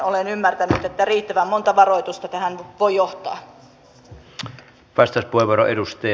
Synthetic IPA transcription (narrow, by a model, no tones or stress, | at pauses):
olenymːært̪ænyt̪et̪ːæriːt̪ːæʋæmːont̪ɑʋɑroit̪ust̪ɑt̪æhænʋojjoht̪ɑ̰ː | ʋɑst̪ɑspueʋoɾoʔedust̪ɑ